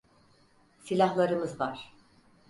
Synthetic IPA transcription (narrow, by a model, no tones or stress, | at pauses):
silʲaɦlˠaɾɯmɯzvaɾ̥